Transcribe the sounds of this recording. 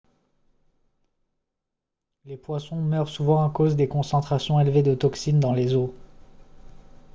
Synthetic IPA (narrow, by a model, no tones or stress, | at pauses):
lepwasɔ̃mœʁsuvɑ̃ːkozd̪ekɔ̃sɑ̃t̪χasjɔ̃elved̪ət̪ɔksind̪ɑ̃lezo